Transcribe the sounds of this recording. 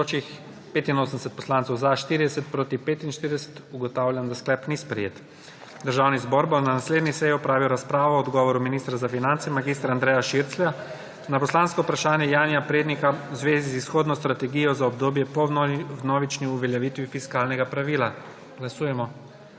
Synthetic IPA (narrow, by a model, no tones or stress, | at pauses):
ot͡ʃix | peːt̪inoːsənd̪sɛt̪̚pɔ̥slant̪sɔwzaʃt̪iːɾid̪ɛsɛt̪̚pɾoːt̪ipeːt̪inʃt̪iɾid̪ɛsɛ̥t̪uɡɔt̪awlʲjamd̪asklɛpnispɾɛ̰jeːt̪ | d̪əɾʒawnizbɔɾbɔnanasled̪nisɛjiɔpɾaːʋiwɾaspɾaːʋɔɔd̪ɡɔːʋɔɾuminist̪ɾazafinant̪sɛmaɡiːst̪ɾaːnd̪ɾɛːjaʃiɾt̪slɛja | napɔslanskɔupɾaʃaːnjɛjaːnjapɾeːd̪nikauzʋeːzizisxoːd̪nɔst̪ɾat̪ɛɡiːjɔzaɔb̚d̪oːbjɛpɔnɔːʋit͡ʃniuʋɛljaʋiːt̪ʋifiskaːlnɛɡapɾaʋiːla | ɡ̥lasuːjɛmɔ